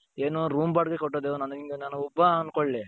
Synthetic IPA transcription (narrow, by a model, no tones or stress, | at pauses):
eːnuɾuːmbaːɖɡekɔʈːod̪eunɐnd̪iŋɡ̪enanuɔbːɐːnkoɭːi